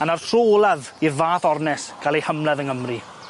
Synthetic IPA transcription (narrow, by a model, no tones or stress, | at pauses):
anar̥tʰroːlˠað | irvaːθɔrnɛsɡ̥alˠehəmlɛðəŋəmri